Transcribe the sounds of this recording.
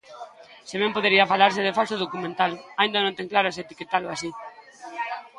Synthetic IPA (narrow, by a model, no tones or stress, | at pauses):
seβɛmpoðeɾiafalaɾsɪðefalsoð̞okumẽnt̪alaĩnd̪anõnt̪eŋklaɾʊeset̪iket̪aloasi